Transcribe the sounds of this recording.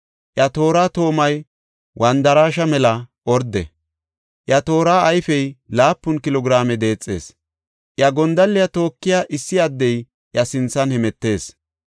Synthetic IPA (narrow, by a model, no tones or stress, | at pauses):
ʔjɐt̪o̞ːɾaːt̪o̞ːmɐj | wʔɐnd̪ɐɾaːʃɐmɛlɐʔɔɾd̪ɛ̰ | ʔjɐt̪o̞ːɾaːʔːjfɛjlaːpːʊnkɪlɔɡɪɾaːmɛd̪e̞ːt͡sʼːe̞̰ːs | ʔjɐɡɔnd̪ɐlːɪjɐt̪o̞ːkːɪjaʔɪsːɪjad̪ːɛj | ʔjɐsɪnt͡sːɐnhɛmɛt̪ːe̞ːs